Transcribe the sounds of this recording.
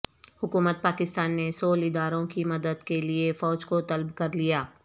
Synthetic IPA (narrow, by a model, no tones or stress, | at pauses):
hʊkuːmət̪̚paːkɪst̪aːnːesoːlɪd̪aːɾõkimɐd̪əd̪keliefɔːd͡ʒkot̪ɐlbkɐɾlijaː